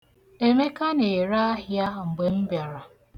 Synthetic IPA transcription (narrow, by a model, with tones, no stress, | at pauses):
e˦me˦ka˦ne˨ɾa˦ɦja˦˨ŋ͡m̩˨ɡ͡be˨m̩˦bja˨ɾa˨